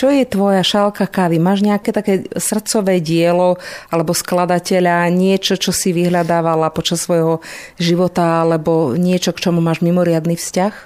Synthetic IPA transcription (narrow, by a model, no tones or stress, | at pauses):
t͡ʃɔjɛt̪ʋɔjaʃalkakaʋimaːʒɲɛakɛt̪akɛːsr̩t̪t͡sɔʋɛːɟɪɛlɔalɛbɔsklad̪acɛʎaɲɪɛt͡ʃɔt͡ʃɔsiʋiɦlad̪aːʋalapɔt͡ʃasːʋɔjɦɔ | ʒiʋɔt̪aalɛbɔɲɪɛt͡ʃɔkt͡ʃɔmumaːʒmimɔɾɪad̪nifscax